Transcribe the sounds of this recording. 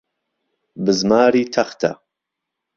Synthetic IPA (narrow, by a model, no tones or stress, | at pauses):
bɨzmaːɾiːt̪ʰɐχt̪ʰɐ̰